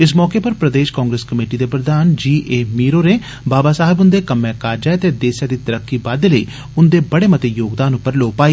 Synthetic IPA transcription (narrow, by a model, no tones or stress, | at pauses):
ɪsmɔːkeːpəɾpɾəd̪eːʃkaːŋɡɾeːskəmeːʈid̪eːpɾəd̪aːnd͡ʒiːʔeːmiːɾoːneː | baːbaːsaːɦɪbʊnd̪eːkəmːɛ̃ːkaːɾd͡ʒaːet̪eːd̪eːsjaːd̪iːt̪əɾəkːiːbaːd̪eləḭː | ʊnd̪eːbəɽeːmət̪eːjoːɡd̪aːnʊpːəɾloːpaːiː